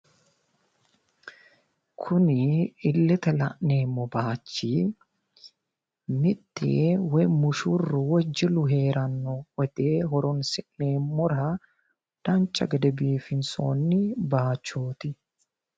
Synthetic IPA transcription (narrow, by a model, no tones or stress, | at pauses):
kʰʊnɪɪlːɛt̪ɛlɐʔne̞ːmːɔbaːt͡ʃːi | mɪt̪ːɪ̰wɛjmʊʃʊrːʊwɔd͡ʒːɪlʊɦe̞ːɾɐnːɔwɔd̪eːɦɔɾɔnsɪʔne̞ːmːɔɾɐ | d̪̥ɐnt͡ʃʼːɐ̰ɡɛd̪ɛbiːfɪnso̰ːnːɪbaːt͡ʃːoːt̪ɪ